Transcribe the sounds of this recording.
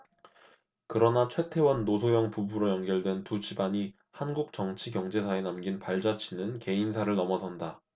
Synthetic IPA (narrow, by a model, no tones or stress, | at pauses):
kɯɾʌnat͡ɕʰwe̞tʰe̞wʌnːosʰojʌŋpubuɾojʌnɡjʌɭdwe̞ntut͡ɕʰibaɲi | hanɡuk̚t͡ɕʌŋt͡ɕʰikjʌŋd͡ʑe̞sʰaenamɡinpaɭd͡ʑat͡ɕʰinɯnke̞insʰaɾɯɭnʌmʌsʰʌnda